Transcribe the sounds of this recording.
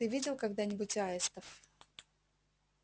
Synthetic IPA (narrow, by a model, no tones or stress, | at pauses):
ɨvʲidʲɪlˠkaɡd̪anʲɪbʊtʲaɪst̪əf